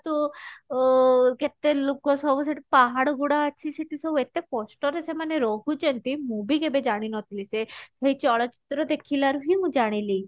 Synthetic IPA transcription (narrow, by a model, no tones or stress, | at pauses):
t̪u | ket̪elokɔsɔbuseʈipaɦaɽɔɡuɽaət͡ʃʰiseʈisɔbuet̪ekɔsʈɔɾesemaneɾɔɦut͡ʃɔnt̪imubikebed͡ʒaɽ̃inɔt̪ilisesejt͡ʃɔɭɔt͡ʃi̥t̪ɾɔd̪ekʰilaɾuɦimũd͡ʒaɽ̃ili